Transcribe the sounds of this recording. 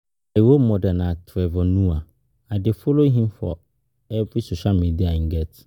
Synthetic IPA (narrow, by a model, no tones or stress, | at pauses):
ajwomɔ̃danãtʰɛvɔnũa | adɪfoloɦĩmfɔ̰ | ɛbisoɕalmidiaŋ̩ɡɛt